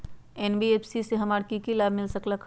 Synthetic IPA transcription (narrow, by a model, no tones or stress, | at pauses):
eːnbiepʰsiseɦɐmaːɽkikilaːb̚ʱmɪlsəkləkʰ